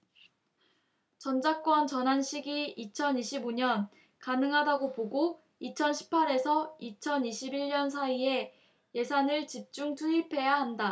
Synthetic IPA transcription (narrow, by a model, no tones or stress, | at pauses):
t͡ɕʌnd͡ʑak͈wʌnt͡ɕʌnɦanɕʰiɡiit͡ɕʰʌniɕʰiboɲʌn | kanɯŋɦadaɡopoɡo | it͡ɕʰʌnɕʰi̥pʰaɾe̞sʰʌit͡ɕʰʌniɕʰibiɭɲʌns̬ʰaie̞ | je̞sʰanɯɭt͡ɕip̚t͡ɕ͈uŋtʰuipʰe̞jaɦanda